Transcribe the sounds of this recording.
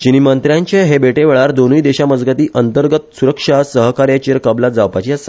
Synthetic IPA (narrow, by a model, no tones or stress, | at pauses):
t͡ɕinimənt̪ɾjaɲt͡ɕeɦebeʈeʋeɭaɾd̪onuid̪eɕaməd͡zɡət̪iːʔənt̪əɾɡət̪̚suɾəkʂasəɦkaɾjat͡ɕiəɾkəblat̪̚d͡zaʋpat͡ɕiasa